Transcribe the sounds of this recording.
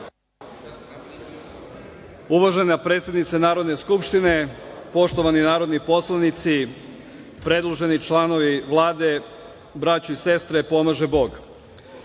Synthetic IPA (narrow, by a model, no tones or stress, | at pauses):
uʋaʒenapɾe̞t̪sed̪nit̪senaːɾo̞d̪neskupʃt̪ine̞po̞ʃt̪o̞ʋaninaːɾo̞d̪nipo̞slˠanit̪si | pɾe̞d̪lˠoʒe̞nit͡ʃlˠano̞ʋiʋlˠaːd̪e̞ | bɾat͡ɕuise̞st̪ɾepo̞maʒebo̞ɡ